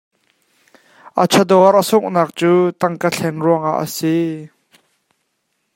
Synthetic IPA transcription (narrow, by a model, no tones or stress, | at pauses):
ʔat͡sʰɐd̪ɔrʔəsʊʔ̚naːk̚t͡suːt̪ɐŋkəɬʰɛnruəŋa̰ʔːəsi